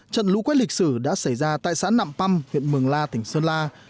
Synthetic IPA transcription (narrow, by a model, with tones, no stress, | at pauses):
t͡ɕə̰˧˨nlṵ˧˥kwɛ˦˥lï˨˩k̚sɨ˧˩ɗa̰ː˧˥sa˧˩jzaː˧t̪a̰ː˧˨jsa̰ː˧˥na̰ː˧˨mpa˧mhwḭ˧˨ənmɨ˨˩əŋlaː˧t̪ï˨˩ŋ̟səː˧nlaː˧